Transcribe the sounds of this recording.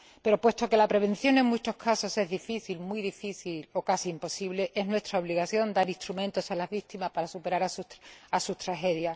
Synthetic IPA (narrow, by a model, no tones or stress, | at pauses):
pe̞ɾo̞pwe̞st̪o̞ke̞lapɾe̞β̞ẽ̞nθjo̞nẽ̞ŋmut͡ʃo̞hkʰaso̞se̞ɦzðifiθilmwiðifiθilo̞kasiːmpo̞siβle̞ʔe̞zɦnwe̞st̪ɾao̞β̞liɣaθjo̞nd̪aɾist̪ɾumẽ̞nt̪o̞salazβik̚t̪imaspaɾasupe̞ɾaɾasuasut̪ɾaxe̞ðja